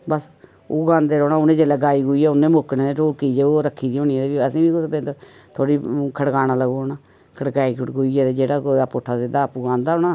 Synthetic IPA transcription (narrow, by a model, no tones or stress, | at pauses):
bəs | o̰ːɡãːnd̪eːɾoːnaːʊnẽːd͡ʒeːlɛːɡaːiːɡʊːiɛːʊnːẽːmoknẽːd̪eːʈoːlkiːd͡ʒeːoːɾəkʰːiːd̪iːõːniɛd̪eːbiəsĩːbiːpẽːnd̪o | t̪ʰoːɽiːkʰəɽkaːnaːləɡoːoːnaː | kʰəɽkaːiːkʰɡoiːɛːd̪eːd͡ʒeːɽaːkoaːpʊʈʰːaːsed̪aːpuːɡãːnd̪aːonaː